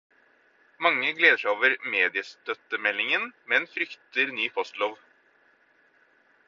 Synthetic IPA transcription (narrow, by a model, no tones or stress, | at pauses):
mɑŋːəɡleːd̪əʃæɪoːʋəɾmeːd̪ɪəst̪œt̪əmɛlɪŋənmɛːnfɾʏkt̪əɾnyːpʰɔst̪loːʋ